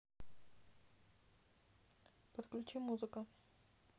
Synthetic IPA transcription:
pət̪klʲʉt͡ɕimːuzɨkə

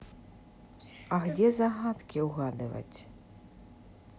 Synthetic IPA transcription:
ɐɣd͡zʲɛzaɣat̪kʲiwɣad̪ɨvɐ̰t͡sʲ

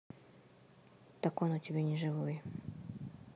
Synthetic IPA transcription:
t̪ɐkonotʲɪbʲenʲɪʐɨvoj

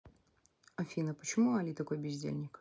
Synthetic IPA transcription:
ɐfʲinəpət͡ɕɪmuɐlʲit̪ɐko̞jbʲɪzʲdʲḛlʲnʲɪk

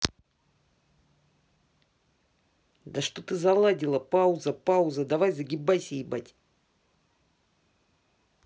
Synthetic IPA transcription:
d̪ɐʂt̪ot̪ɨzɐlˠadʲɪlˠəpauzɐpauzɐd̪ɐvajzɐɡʲɪbajsʲejbatʲ

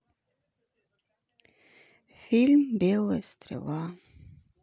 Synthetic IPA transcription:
filmbelˠəst̪ʰɾɪ̰lˠa

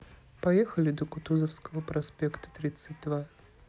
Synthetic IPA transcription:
pɐjexəlʲɪd̪əkʊt̪uzəfskəvəpɾɐspʲekt̪ə̥t̪ɾʲit̪sɨt̚ʲd̪va

